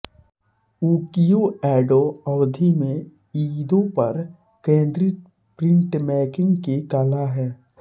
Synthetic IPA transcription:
uːkijoɛːɖoɔʋd̪ʱimẽ | iːd̪õpɐɾ | kẽːnd̪ɾi | pɾɪ̃ɳʈmɛːkɪ̃ŋɡkekaːlaɦɛː

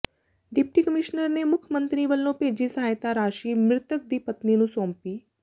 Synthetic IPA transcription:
ɖɪp̚ʈiːkəmɪʃnəɾneːmʊkʰəmə̃nt̪ɾiːʋəlːõːpeːd͡ʒiːsəɦaːjt̪aɾaːʃiːmɾɪt̪ək̚d̪iːpət̪ninũːsɔ̃ːmpiː

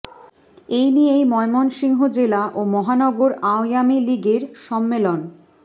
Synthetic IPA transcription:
ejnijejmɔemɔnʃiŋɦod͡ʑelaʔomɔɦanɔɡoɾaojamiliɡeɾʃɔmːelon

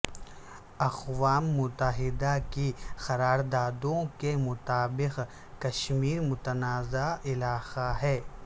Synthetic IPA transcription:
ɐqwaːmːʊt̪əɦɪd̪akixɐɾaːɾd̪aːd̪õkemʊt̪aːbɪq | kɐʃmiːɾmʊt̪ənaːzaɪlaːxaɦɛː

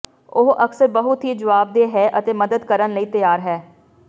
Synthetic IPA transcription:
ʊɦʔəksəɾbəɦʊt̪ɦiːd͡ʒəʋaːb̚d̪eːɦɛːʔət̪eːməd̪əd̪kəɾənləiːt̪əjaːɾɦɛː

